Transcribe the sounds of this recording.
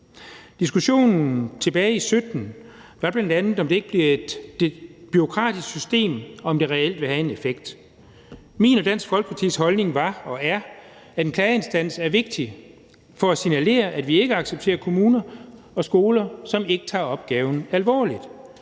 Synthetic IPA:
d̥isɡ̥uɕo̝̰ːnn̩t͡sʰe̝b̥ɛːɪisød̥n̩ | ʋɑ̈b̥lænd̥ænð̩ˠɒmd̥e̝e̝ɡ̥əb̥liɐe̝d̥ | b̥yʁo̝kʰʁɑ̰̈ːd̥isɡ̥sysd̥e̝̰ːmɒɒ̽md̥e̝ʁɛel̰d̥ʋe̝hæe̝ne̝feɡ̥̚d̥ | mḭːnɒ̽d̥æn̰sɡ̥fɒ̽lɡ̥pʰɑ̈t͡sʰḭshɒ̽lne̝ŋʋɑ̈ɒ̽æɐ | æd̥enkʰlɛːe̝nsd̥æn̰sæɐʋe̝ɡ̥̚d̥i | fɒ̽æsinæle̝̰ːɐʔæd̥ʋie̝ɡ̥əɑ̈ɡ̥seb̥̚t͡sʰe̝̰ːɐkʰo̝muːnɐ | ɒ̽sɡ̥o̝ːlɐsɒ̽me̝ɡ̥ə̥t͡sʰɑ̰̈ɒ̽b̥̚ɡ̥ɛːʊn̩ælʋɒ̰ːlid̥

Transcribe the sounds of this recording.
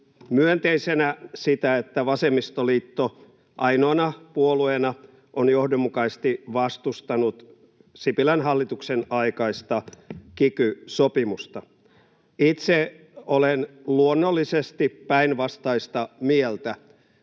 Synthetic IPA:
myønt̪eisenæsit̪æet̪ːæʋɑsemːist̪oliːt̪ːo | ʔɑinoɑnɑpuoluenɑ | ʔonjohdomːukɑist̪iʋɑst̪ust̪ɑnut̪ | sipilænɦɑlːit̪uksenɑikɑist̪ɑkikysopimust̪ɑ | it̪se | olenluonːolːisest̪ippæinʋɑst̪ɑist̪ɑmielt̪æ

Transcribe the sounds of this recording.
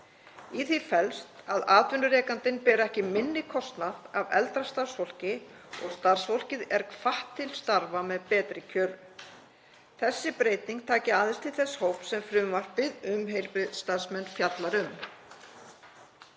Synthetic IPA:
iθifɛlst̪aðaːt̪vʏnʏɾɛːkant̪ɪnpɛːɾɛhcɪmɪnːɪkʰɔst̪naðavɛ̰lt̪ɾast̪aɾsfowl̥cɪ | ɔ̰ɣst̪aɾ̥sfowl̥cɪðɛɾkʰfaht̪ʰːɪlst̪aɾvamɛðpɛːt̪ɾɪcʰœːɾʏ | θɛsːɪpɾeːjt̪niŋk̚t̪ʰaːcɪaːðɪst̪ʰɪlθɛsːhowpsɛmfɾʏːvar̥t̪vɪðʏmɦejɾpɪðst̪aðsmɛnːfjat̪laɾʏm

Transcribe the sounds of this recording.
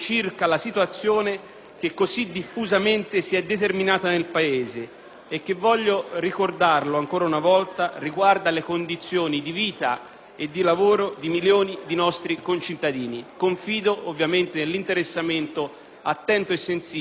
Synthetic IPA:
t͡ʃirkalasit̪wat̪sːjoːne | k̟ekːozid̪ːifːuzament̪esiɛd̪ːet̪erminaːt̪anelpaeːzeː | k̟ːevːɔʎːorikord̪arloaŋkoːɾaunavɔlt̪ariɡward̪alekond̪it̪sːjoːnid̪iviːt̪a | ed̪ːilavoːɾod̪imiljoːnid̪inɔst̪ɾikont͡ʃit̪ːad̪iːnikoɱfiːd̪oʔovːjament̪enelːint̪eɾesːament̪o | at̪ːɛnt̪oesːensiː

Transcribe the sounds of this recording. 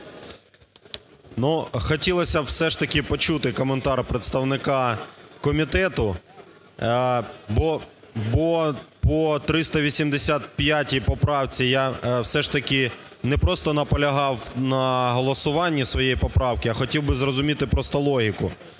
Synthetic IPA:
nuxɔtʲilˠɐsʲɐwsɛʂt̪ɐkʲɪpɔt͡ʃut̪ɪkɔment̪ɑrpɾet̪st̪ɐwnɪkɑkɔmʲit̪ɛt̪ʊ | bɔ | bɔpɔt̪ɾɪst̪ɐʋʲisʲimd̪esʲat̪pʲjatʲipɔpɾɑwt͡sʲijawsɛʂt̪ɐkʲɪ | nɛpɾɔst̪ɔnɐpɔlʲɐɦɑwnɐɦɔlˠɔsʊʋɑnʲːisʋɔjɛjipɔpɾɑwkɪɐxɔtʲiwbɪzrɔzʊmʲit̪ɪpɾɔst̪ɔlˠɔɦʲikʊ̰

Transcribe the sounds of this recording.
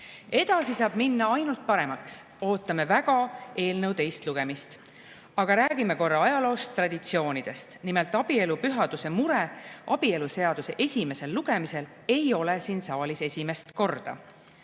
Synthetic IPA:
e̞d̪̥ɑsisɑːb̥minːɑɑjnult̪̚pɑɾe̞mɑks | o̞ːt̪ːˑɑme̞væɡ̥ɑe̞ːlnɤwt̪e̞jst̪luɡ̥e̞mist̪ | ɑɡ̥ɑɾæːɡ̥ime̞ko̞rːɑɑjɑlo̞ːst̪ːrɑd̪̥ʲit̪sio̞ːnid̪̥e̞st̪nimelt̪ːˑɑb̥ie̞lupyɦɑd̪̥use̞muɾeʔɑb̥ie̞luse̞ɑd̪̥use̞ʔe̞sʲime̞se̞lːuɡ̥e̞mise̞l | e̞jo̞lesiːnsɑːlise̞sʲime̞st̪ko̞rd̪̥ɑ̰

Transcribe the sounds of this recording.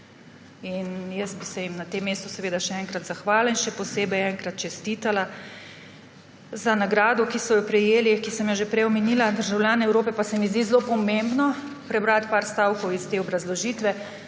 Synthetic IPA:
injɛst̪̚bisɛjimnat̪emːeːst̪ɔsɛʋeːd̪aʃɛɛːŋkɾat̪zaxʋaːlainʃɛpɔseːbɛjɛŋkɾat̪̚t͡ʃɛst̪iːt̪ala | zanaɡɾaːd̪ɔkisɔjɔpɾɛjeːlikisəmjaʒepɾɛjɔmɛniːlad̪əɾʒawlʲjaːnɛɛwɾoːpɛpasɛmizd̪izlopɔmẽmbnɔ | pɾɛbɾat̪paːɾst̪aːwkɔwist̪eːɔbɾazlɔʒiːt̪ʋɛ

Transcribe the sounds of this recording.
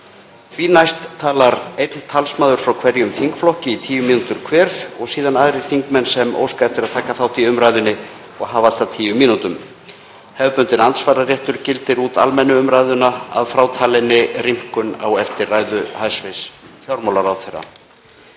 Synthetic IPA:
θviːnajst̪ʰːaːlaɾejt̪nt̪ʰalsmaːðʏɾ̥fɾawkʰvɛɾjʏmfiŋkflɔhcɪit̪ʰiːjʏmiːnut̪ʏɾ̥kʰvɛːɾɾɔɣsiːðanaːðɾɪ̥fiŋkmɛnːsɛmo̰ːwskaɛft̪ɪɾaðt̪ʰaːkaθawht̪iʏmɾajðʏnːɪ | ɔɣɦaːval̥t̪at̪ʰiːjʏmːiːnut̪ʏm | hɛvpʏnt̪ɪnant̪svaːɾarjɛht̪ʏɾ̥cɪlt̪ɪɾuːt̪a̰lmɛnːʏʏmɾajðʏnaa̰ðfɾaːwt̪ʰaːlɪnːɪrim̥kʏna̰wɛft̪ɪraːjðʏhajsvɪsfjawɾmawlaɾawθerːa̰

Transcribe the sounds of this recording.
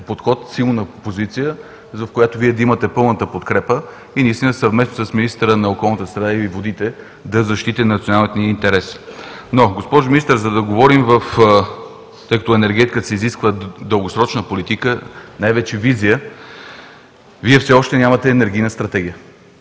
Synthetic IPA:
pot̪xɔt̪silˠnəpozit̪sijə | zɐfkojat̪oviɛd̪imət̪ɛpɤlˠnət̪əpot̪kɾɛpə | inɐist̪inəsɐvmɛsnosəsminist̪əɾənɐokɔlˠnət̪əst̪ɾɐd̪ailivod̪it̪ɛ | d̪ɐzɐʃt̪it̪ənɐt̪sionalˠnɛt̪niint̪ɛɾɛsnoɡospɔʒʊminist̪əɾzɐd̪ɐɡovɔɾimvəf | t̪ɤjkət̪ɔɛnɛɾɡɛt̪ikəsɛiziskvəd̪əlˠɡosɾɔt͡ʃnəpolit̪ikənajvɛt͡ʃɛvizijə | viɛfsɛɔʃt̪ɛnʲamɐt̪ɛːnɛɾɡ̟ijnəst̪ɾɐt̪ɛɡ̟ʲijə

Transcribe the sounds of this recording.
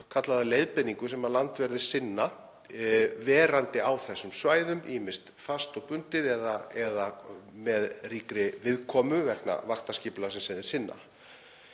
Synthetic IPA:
kʰat̪laðalejðpɪniŋkʏsɛmaðlant̪vɛɾðɪ̥sɪnːa | vɛːɾant̪ɪawθɛsːʏmsvaːjðʏmimɪ̥st̪fast̪ɔpʏnt̪ɪðɛðaɛðamɛðriːkɾɪvɪðkʰɔːmʏvɛkna̰vaxt̪asciːplasɛmsajðɪsɪnːa̰

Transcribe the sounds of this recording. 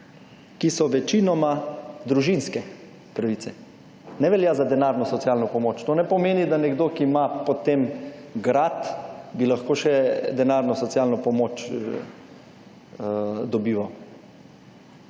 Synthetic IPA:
kisɔʋɛt͡ʃinɔmad̪ɾuʒinskɛ | pɾaʋit̪sɛ | nɛʋɛljazad̪ɛnaɾnɔsɔt̪siaːlnɔpɔmoːt͡ʃt̪oːnɛpɔmeːnid̪anɛɡd̪oːkimapɔt̪emɡɾat̪bilaxkoːʃɛd̪ɛnaɾnɔsɔt̪sialnɔpɔmoːt͡ʃ | d̪ɔbiːʋaw

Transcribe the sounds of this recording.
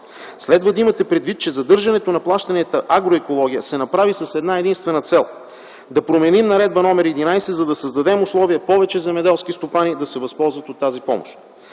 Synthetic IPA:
slɛd̪vəd̪ɐimɐt̪ɛpɾɛd̪vit̪̚t͡ʃɛzɐd̪ɤɾʒɐnɛt̪onɐplˠaʃt̪ɐnɛt̪əʔaɡɾoɛkolˠɔɡʲijəsɛnɐpɾavisɐsɛd̪naɛd̪inst̪vɛnət̪sɛlˠ | d̪ɐpɾomɛnimnɐɾɛd̪̚bɐnɔmɛɾɛd̪inajsɛzɐd̪ɐsəzd̪ɐd̪ɛmʊslˠɔviəpɔvɛt͡ʃɛzɛmɛd̪ɛlˠskist̪opanid̪ɐsɛvɐspɔlˠzvɐt̪ot̪ːazipɔ̰mo̰ʃt̪

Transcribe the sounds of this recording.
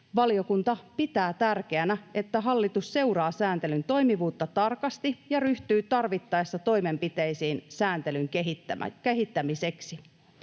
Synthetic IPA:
ʋɑlio̞kunt̪ɑpit̪æːt̪ærk̟eænæe̞t̪ːæɦɑlːit̪usːe̞urɑːsæːnt̪e̞lynt̪o̞imiʋuːt̪ːɑt̪ɑrkɑst̪ijɑryht̪yːt̪ɑrʋit̪ːɑesːɑt̪o̞jme̞mpit̪eisiːnsæːnt̪elyŋkeɦit̪ːæ̰keɦit̪ːæmiseksi

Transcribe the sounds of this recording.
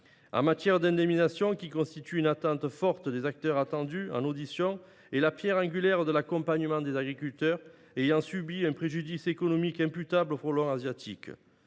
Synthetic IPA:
ɑ̰̃mat̪jɛʁd̪ɛ̃d̪eminasjɔ̃kʲikɔ̃st̪it̪yynat̪ɑ̃t̪əfɔʁt̪əd̪ezak̚t̪œʁat̪ɑ̃d̪yɑ̰̃nod̪isjɔ̃ | elapjɛʁɑ̃ɡʲyljɛʁd̪əlakɔ̃paɲəmɑ̃d̪ezaɡʁikylt̪œʁ | ejɑ̃sybiɛ̃pχeʒyd̪isekɔnɔmikɛ̃pyt̪ablofɔlɔ̃azjat̪ʰik

